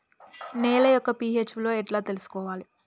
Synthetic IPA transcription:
neːlɐjɔkːɐpiːeːt͡ʃʋilo̞ːɛʈlaːt̪elusu̥kɔːʋaːli

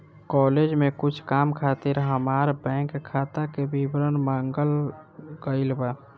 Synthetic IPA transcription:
kɔled͡ʒmekʊt͡ʃʰkamkʰat̪iɾɦəmaːɾbɛ̃ːŋkʰːat̪akebibɾənmãːŋɡəlɡəɪlba

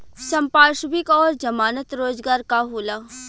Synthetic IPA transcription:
sɐ̃mpaːʃbɪkɔːɾd͡ʒɐmaːnət̪ɾoːzɡaːɾkaɦoːlaː

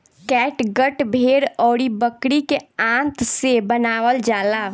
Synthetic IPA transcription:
kɛːʈɡəʈbʱeːɾɔːɽibəkɽikeãːnt̪sebənaːwəld͡ʒaːlaː

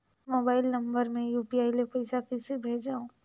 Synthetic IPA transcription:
moːbaːɪlnɐ̃mbəɾmẽjuːpiaːilepɐɪsakɪsebʱeːd͡ʒaːõ

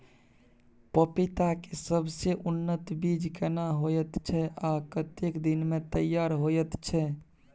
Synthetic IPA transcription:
pəpit̪akesəbʱseʔunːət̪bid͡ʒkɛnaɦojɛt̪t͡ʃʰɛʔakət̪ekd̪inmet̪əjaɾɦojɛt̪t͡ʃʰɛ

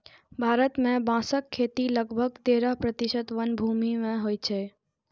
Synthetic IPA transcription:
bʱaɾət̪mẽbãsəkʰːet̪iləɡbʱəɡ̚t̪eɾəɦpɾət̪iʃət̪ʋənbʱumimẽɦojt͡ʃʰe

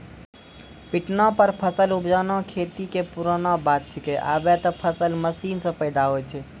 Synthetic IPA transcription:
piʈnɔpəɾpʰəsəlubd͡ʒanɔkʰet̪ikepuɾənɔbat̪̚t͡ʃʰikeʔa̰bɛt̪ɔpʰəsəlməsinsə̃pəjd̪aɦojt͡ʃʰɛ

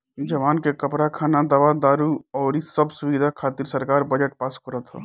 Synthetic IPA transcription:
d͡ʒəʋaːnkekəpɾakʰaːnad̪aʋad̪aːɾuɔːɾisəbsubid̪ʱakʰaːt̪iɾsəɾkaːɾbəd͡ʒəʈ̚paskəɾət̪ɦɔ̰

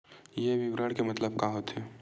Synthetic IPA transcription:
jeʋɪɡɾəːɽkemɐt̪ləb̚kaɦoːt̪ɦɛː

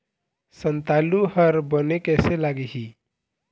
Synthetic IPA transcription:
sənt̪aluɦəɾbənekɛselaɡiɦi

